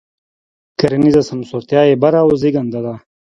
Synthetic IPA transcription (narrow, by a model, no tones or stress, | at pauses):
kɐɾɐnizasɐnsoɾt̪jɑːebaɾaoziɡand̪ad̪a